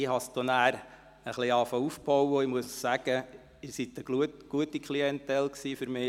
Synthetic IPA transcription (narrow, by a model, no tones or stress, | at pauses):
ɪhɑst̪onæːɾ | əχliɑːfɑufb̥ɔwəimuəssæɡ̥ə | ɪsit̪əɡutɡ̥uətikʰχliɛnt̪ɛlksiːfʏɾmɪː